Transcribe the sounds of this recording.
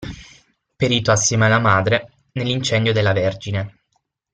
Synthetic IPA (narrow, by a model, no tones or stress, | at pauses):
peɾiːt̪oasːemealamaːd̪ɾe | nelːint͡ʃɛnd̪jod̪elːaverd͡ʒine